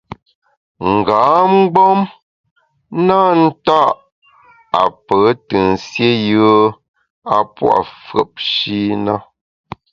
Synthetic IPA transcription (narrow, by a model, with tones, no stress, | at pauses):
ŋ̩˨ɡaː˨˦m̩˦ɡ͡bɔ˦m | na˦n̩˦ta˦˨ʔ | a˨pə˨˦tə˨n̩˨sje˦jə˦ | a˨pwa̰˨fɰə̰˨p̚ʃi˦na˦